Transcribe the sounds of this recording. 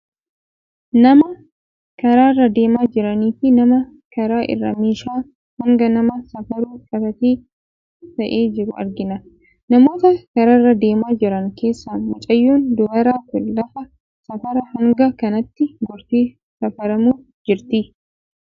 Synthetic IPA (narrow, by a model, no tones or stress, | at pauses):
nɐmɐ | kɐɾaːrːɐd̪e̞ːmaːd͡ʒɪɾɐniːfɪnɐmɐ | kɐɾaːʔɪ̰rːɐ̰meːʃaː | hɐŋɡɐnɐmɐsɐfɐɾuːkʼɐbɐt̪iː | t̪ɐʔeːd͡ʒɪɾʊɐ̰ɾɡɪnɐ | nɐmo̞ːt̪ɐkɐɾɐrːɐd̪e̞ːmaːd͡ʒɪɾɐŋkʰe̞ːsːaːnmʊt͡ʃʼɐjːuːnd̪ʊwɐɾaːkʊlːɐfɐ | sɐfɐɾɐhɐŋɡɐkɐnɐt̪ːɪɡɔɾt̪iː | sɐfɐɾɐmuː | d͡ʒɪɾt̪i